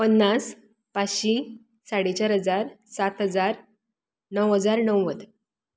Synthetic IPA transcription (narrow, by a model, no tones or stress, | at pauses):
pənːas | paɕĩ | saɽet͡ɕaɾɦəd͡zaɾsat̪ɦəd͡zaɾ | nəwɦəd͡zaɾnəwʋəd̪